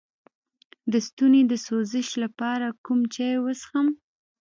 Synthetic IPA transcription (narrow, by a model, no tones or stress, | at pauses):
d̪əst̪uned̪əsozɪʃlapɑɾakumt͡ʃɑjwəsxəm